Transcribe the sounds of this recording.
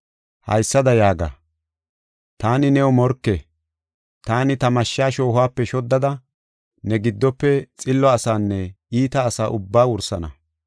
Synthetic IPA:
hɐ̰jsːɐd̪ɐjaːɡa̰ | t̪aːnɪnɛɔmɔɾkːɛ | t̪aːnɪt̪ɐmɐʃːaːʃoːɦʊwaːpːɛʃɔd̪ːɐd̪ɐ | nɛɡɪd̪ːɔpːɛt͡sʼɪlːɔɐsaːnːɛ | iːt̪ɐːsaːʔʊbːaːwʊɾsɐnɐ̰

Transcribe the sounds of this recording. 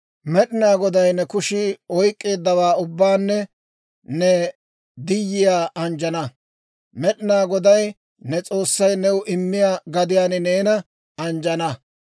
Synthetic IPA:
mɛɗɪnaːɡɔd̪ɐjnɛkʊʃɪɔjkʼːe̞ːd̪ːɐwaːʊbːaːnːɛ | nɛ | d̪ɪjːɪjaːɐnd͡ʒɐnɐ | mɛɗɪnaːɡɔd̪ɐj | nɛt͡sʼo̞ːsːɐjnɛwʊʔɪmːɪjaːɡɐd̪ɪjaːnɪne̞ːnɐ | ɐnd͡ʒɐnɐ

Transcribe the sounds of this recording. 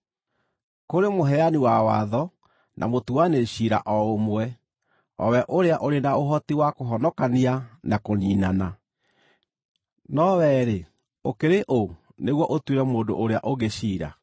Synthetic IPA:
koɾemoɦɛaniwawa̰ðɔ | nʔa̰motuaneɕiɾa̰ʔɔomwɛ | ɔ̰wɛʔoɾeaʔoɾenaoɦɔtiwakoɦɔnɔkanianakoniːnana | nɔwɛɾe | okeɾeʔo | neɣwɔʔotweɾɛmoːndo̰ʔoɾeaʔoɣeɕiːɾa̰

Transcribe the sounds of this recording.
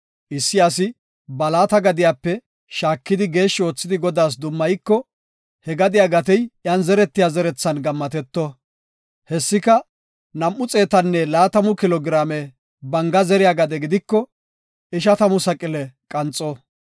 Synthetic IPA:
ʔɪsːɪjaːsɪ | bɐlaːt̪ɐɡɐd̪ɪjaːpːɛ | ʃaːkːɪd̪ɪɡe̞ːʃːo̞ːt͡sːɪd̪ɪɡɔd̪aːs̬d̪ʊmːɐjkːɔ | hɛɡɐd̪ɪjaːɡɐt̪ɛjjɐnzɛɾɛt̪ːɪjazɛɾɛt͡sːɐnɡɐmːɐt̪ɛt̪ːɔ | hɛsːɪkɐ | nɐmʔʊt͡sʼe̞ːt̪ɐnːɛlaːt̪ɐmʊkɪlɔɡɾaːmɛ | bɐŋɡɐzɛɾɪjaːɡɐd̪ɛɡɪd̪ɪkːɔ | ɪʃɐt̪ɐmʊsɐkʼɪlɛkʼɐnt͡sʼːɔ

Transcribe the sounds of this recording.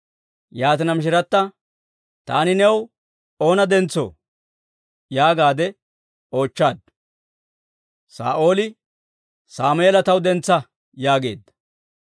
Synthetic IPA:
jaːt̪ɪnɐmɪʃ̬ɪɾɐt̪ːɐ | t̪aːnɪnɛw | o̞ːnɐd̪ɛnt͡sːo̰ː | jaːɡaːd̪ɛ | o̞ːt͡ʃːaːd̪ | sa̰ːʔo̞ːlɪ | saːmelɐt̪ɐwd̪ɛnt͡sːɐ | jaːɡe̞̰ːd̪ːɐ̥

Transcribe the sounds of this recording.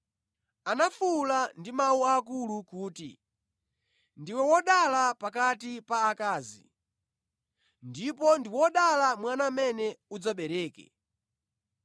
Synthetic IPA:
anafulandimauakulukuːtḭ | ndiwɛwɔɗalapakatipaːkaːzḭ | ndipɔndiwɔɗalamwanamɛnɛud͡zaɓɛɾɛːkɛ̰

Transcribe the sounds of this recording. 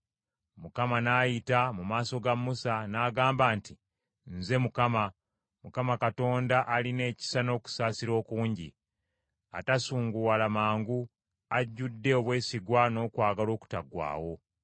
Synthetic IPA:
mukamanaːjitamumaːso̞ɡamːusanaːɡaːmbaːnti | nze̞mukama | mukamakato̞ːndaʔaline̞ːci̥sano̞ːku̥saːsiɾo̞ːkuːɲɟḭ | atasuːŋɡuwalamaːŋɡu | aɟːudːe̞oβwe̞ːsiɡwano̞ːkwaːɡalo̞ːku̥taɡwa̰ːwo̞

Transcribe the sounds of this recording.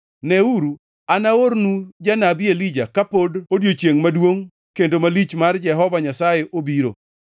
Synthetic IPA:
nɛuɾu | anaoɾnud͡ʒanabɪelid͡ʒakapododjot͡ʃjeŋmadwoŋ | kendomalit͡ʃmard͡ʒɛɦɔvaɲasajeʔobiɾo̰

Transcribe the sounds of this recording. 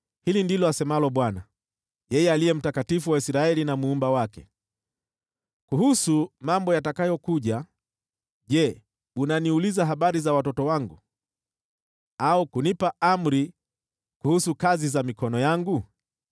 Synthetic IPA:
hilindilɔasɛmalɔɓwana | jɛjɛalijɛm̩takatifuwaisɾaɛlinamuumbawakɛ̰ | kuhusumambɔjatakajɔkuʄa | ʄɛ | unaniulizaɦaɓaɾizawatɔtɔwaŋɡu | aukunipaʔam̩ɾi | kuhusukazizamikɔnɔjaŋɡu

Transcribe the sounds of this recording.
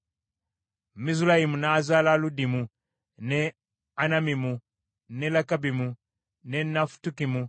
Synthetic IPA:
miz̬ulahimunazalaludimu | ne | anamimu | nelakabimu | nenafu̥tukimu

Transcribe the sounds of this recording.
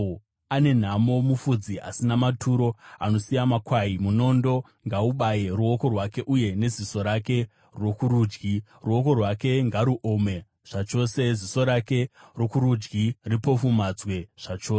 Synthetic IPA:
ane̞n̤amo̞mufud͡ziʔa̰sinamatʰuɾo̞a̰no̞sijamakwaimuno̞ndo̞ | ŋɡauɓajeruo̞ko̞rwake̞ʔuje̞ne̞ziso̞ɾake̞ | rwo̞kuɾuːd͡ʒɡi | ruo̞ko̞rwake̞ŋɡaɾuʔome̞ | ʐ̥at͡ʃo̞ːse̞ziso̞ɾake̞ro̞kuɾud͡ʒɡiripo̞fumad͡zwe̞ʐ̥at͡ʃoː

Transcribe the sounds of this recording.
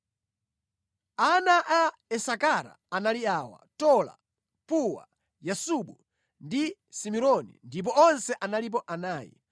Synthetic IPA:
anaʔa | ɛsakaɾa̰analiaːwa̰tɔla̰ | puwa̰ | jasuɓu | ndi | simiɾɔnḭndip̬ɔɔnsɛʔanalip̬ɔʔanaːjḭ

